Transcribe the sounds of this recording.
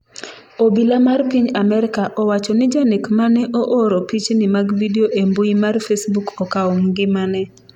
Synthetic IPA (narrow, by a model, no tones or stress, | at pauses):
obilamarpiɲamɛɾɪkaʔɔwat͡ʃɔnɪd͡ʒanekmanɛʔoʔoɾopit͡ʃnɪmaɡvideoʔemboimarfesbukɔkaomɡɪmanɛ